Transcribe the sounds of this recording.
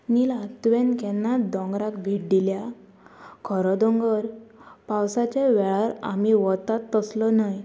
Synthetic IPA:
nilat̪ʋenkɛnːad̪ɔ̃ŋɡɾakbʱiʈɖilja | kʰɔɾɔd̪ɔ̃ŋɡəɾpawsat͡ɕeʋɛɭaɾa̰miʋɔt̪at̪ːəslɔnaj

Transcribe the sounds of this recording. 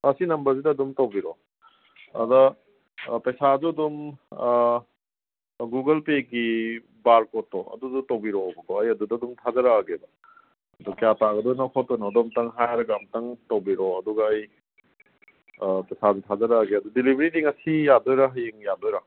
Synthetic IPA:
ɐsinɐmbɐɾzidɐːdumtɐwbiɾɔ | ɐ̰dɐ | pɐjsazuɐdum | ɡuɡɐlpek̚ɡi | baɾkotːɔɐ̰dudutɐwbiɾɔbɐkɔɐjɐdudɐdumtʰazɐɾaːɡebɐ | ɐdukjataɡɐdunakʰɔtɔjnɔːdɔmtɐŋɦajɾɐɡamtɐŋtɐwbiɾɔɐduɡɐːj | pɐjsazutʰazɐɾaɡeɐdudilibʱɾidiŋɐsijadɔjɾaɦɐjiŋjadɔjɾa

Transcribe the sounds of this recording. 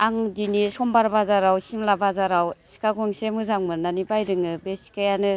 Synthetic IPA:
aŋdinisɔmbaɾbazaɾawsimlabazaɾawsi̥kaɡɔŋsemɯzaŋmɯnanibajdɯŋɯbesi̥kajanɯ

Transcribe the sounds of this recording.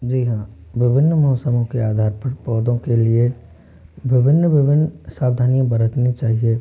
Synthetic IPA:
d͡ʒiːɦãːʋɪbʱɪnːmɐɦoːsəmõkeaːd̪ʱaːɾpəɾpɔːd̪õkelie | ʋɪbʱɪnːʋɪbɪnːsaːbd̪ʱaːnijãbəɾət̪nit͡ʃaːɦie

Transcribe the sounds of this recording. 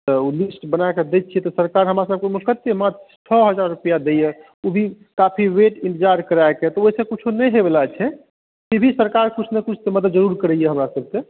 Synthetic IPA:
t̪ɔulisʈbənaeked̪ɛt̪̚t͡ʃʰijɛt̪ɔsəɾkaɾɦəmɾasəb̚kemulkət̪ːemat̪ | t͡ʃʰəɦəd͡ʒaɾːupijad̪eje | ubʱi | kapʰiweʈinʈd͡ʒaɾkəɾaeket̪ɔoɦisə̃kut͡ʃʰunɛjɦebelat͡ʃʰɛ | kibʱisəɾkaɾkut͡ʃʰnekut͡ʃʰt̪eməd̪ət̪ːd͡ʒəɾuɾkəɾɛijeɦəmɾasəb̚ʱke

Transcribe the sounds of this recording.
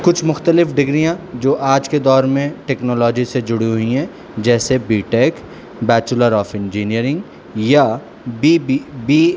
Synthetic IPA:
kʊt͡ʃʰmʊxt̪əlɪfɖɪɡɾijãd͡ʒoːʔaːd͡ʒked̪ɔːɾmẽʈɛːknɔːlɔːd͡ʒised͡ʒʊɽiɦʊiɦɛ̃ː | d͡ʒɛːsebiːʈeːk | bɛːt͡ʃʊləɾɔːfɪ̃nd͡ʒiːnijəɾɪ̃ŋɡ | ja | bibibiː

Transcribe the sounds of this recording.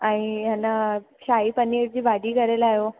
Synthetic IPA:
aɽ̃ijanːa | ɕaiːpəniɽd͡ʑiːbaɖiːkəɾelajo

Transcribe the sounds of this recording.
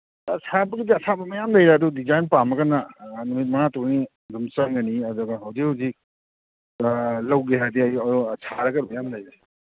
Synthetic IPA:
asʰabɐɡidiɐsʰabɐmɐjamdɐjɾeɐdudizajnpamɐkɐnːɐnumit̚mɐnatuɡni | dumsɐŋɡɐniɐd̪uɡɐɦɐwzikhawzik̚ | lɐwɡeɦajdiɐjɐɾusʰaɾɐkɐɾbɐjamdɐjɾe

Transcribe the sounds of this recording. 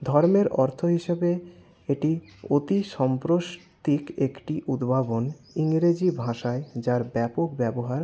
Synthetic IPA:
d̪ʱɔɾmeɾʔɔɾt̪ʰoɦiʃebe | eʈiot̪iʃɔmpɾoʃt̪ikekʈiʔud̪bʱabon | iŋɾed͡ʑibʱãʃaed͡ʑaɾbɛpok̚bɛboɦaɾ

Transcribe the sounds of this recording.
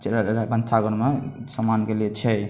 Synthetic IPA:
t͡ʃeɾbənt͡ʃʰaɡəɾmesəmankeliet͡ʃʰɛ

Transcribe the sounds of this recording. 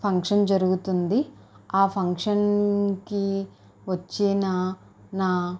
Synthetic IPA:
pʰɐŋkʂɐnd͡ʒɐɾuɡut̪und̪iaːpʰɐŋkʂɐnki | ʋɐt͡ʃːinɐ | naː

